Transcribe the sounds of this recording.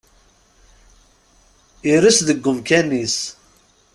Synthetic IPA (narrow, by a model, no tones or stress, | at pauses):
iɾəsðəɡʷːəmkænːis